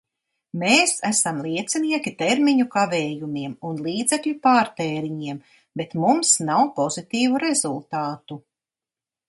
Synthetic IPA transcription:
meːsæsamlˠiɛt̪siniɛkʲit̪eɾmiɲukavɛːjumiɛmunlˠiːd̪zekʎʲupaːɾt̪eːɾiɲiɛm | bet̪mumsnawpɔzit̪iːvuɾezulˠt̪aːt̪u

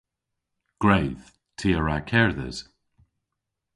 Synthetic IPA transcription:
ɡ̥ɹeːð̥ | tʰiːəɹakʰɛɹðə̰z̥

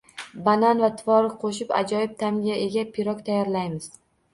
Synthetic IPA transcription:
bananvat̪ʰɪvɒɾɪkqʰoʃɪpa̰d͡ʒɒjɪp̚t̪ʰamʲaʔe̞ɡʲapʰɪɾɒkʲt̪ʰajɒɾlajmɪz̥

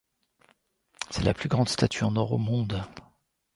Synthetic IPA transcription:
sɛlaplyɡʁɑ̃d̪st̪at̪ʰyɑ̃nɔʁomɔ̃d̪

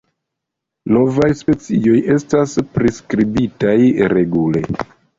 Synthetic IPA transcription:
no̞vajspe̞t͡sio̞je̞staspɾiskɾibitajɾe̞ɡule̞̰

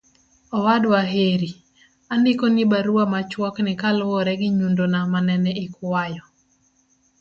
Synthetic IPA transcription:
ɔwadwaɦeɾi | andɪkonibaɾuamat͡ʃwɔknɪkalʊwɔɾɛɡɪɲundonamanɛnɛikwajɔ

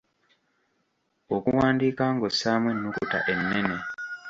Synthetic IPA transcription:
okuwaːndiːkaːŋɡosːaːmwenːukṵta̰ʔe̞nːe̞ne

